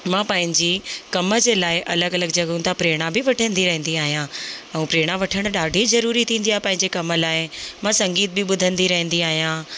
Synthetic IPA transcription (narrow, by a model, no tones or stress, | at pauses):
mãːpɐ̃ɦɪ̃ɲd͡ʑikɐmə̆d͡ʑeːlaːɪʔɐləɡɐləɡd͡ʑɐɠũnt̪ʰapɾeːɽ̃abɪʋɐʈʰə̃nd̪iɾɐɦə̃nd̪iaːɦijãɛ̃ũːpɾeːɽ̃aʋɐʈʰəɽ̃ʊ̆ɗaːɖʱizɐɾuːɾit̪ʰĩːnd̪ijaːɦɪpɐ̃ɦɪ̃ɲd͡ʑekɐmə̆laːɪmãːsɐ̃ŋɡiːt̪̚bɪɓʊd̪ʱə̃nd̪iɾɐɦə̃nd̪iaːɦijã